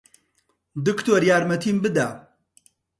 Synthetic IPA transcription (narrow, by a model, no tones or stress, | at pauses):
d̪ɨkt̪oːɾjaːɾmɐt̪ʰiːmbɨd̪aː